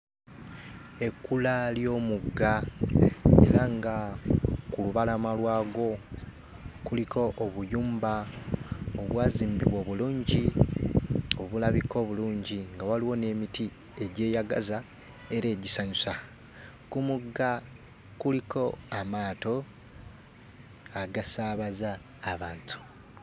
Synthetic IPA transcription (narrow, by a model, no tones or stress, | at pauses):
e̞kːulaljo̞ːmuɡːa | ḛɾaŋɡa | kuluβalamalwaːɡo̞ | kulikʰo̞ʔːβujuːmba | oβwaːziːmbḭβwo̞ːβuluːɲɟi | o̞βulaβikʰo̞ːβuluːɲɟiŋɡawaliwo̞ne̞miti | e̞ɟe̞ːjaɡaza | e̞ɾe̞ːɟisaɲusa | kumuɡːa | kulikʰo̞amaːto̞ | aɡasaβazaː | βaːntu̥